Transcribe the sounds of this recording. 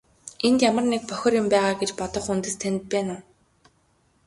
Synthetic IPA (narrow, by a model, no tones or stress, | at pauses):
ent̪jamə̆rnek̚pœxʲɔ̆rjʊmpæːʁaːɡet͡ɕpɔt̪ɞ̆χunt̪ɘ̆st̪ʰænʲɘ̆t̪̚pæːnʊː